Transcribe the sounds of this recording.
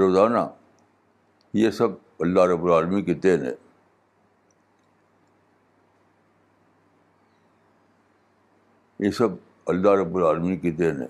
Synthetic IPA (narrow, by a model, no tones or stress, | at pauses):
ɾoːzaːna | jesɐb̚ | ɐlːaːɦɾəbːʊɾaːlmĩked̪eːnɦɛ̰̃ː | jesɐb | ɐlːaːɦɾəbːʊɾaːlmĩked̪eːnɦɛ̰̃ː